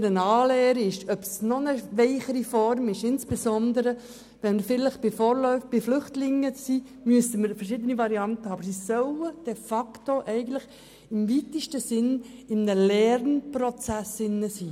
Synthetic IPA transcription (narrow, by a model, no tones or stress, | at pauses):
ɾənɑːlɛːɾɪʃœpsnɔnəʋɛɪχəɾifɔrmɪʃɪnsb̥esɔnd̪əɾə | ʋɛnməɾfɪləχb̥ɪfɔːɾlœʏfb̥ɪflʏχtlɪŋːəiː | myəsəməɾfərʃɪːdənivɑɾiɑnt̪əhɑːbəɾsisœləd̥ɛfɑktoʔɛɪɡən̩tlɪχ | ɪmvit̪ɪʃtəsɪnɪmnəlɛɾnprɔt͡sæsɪnːəsiː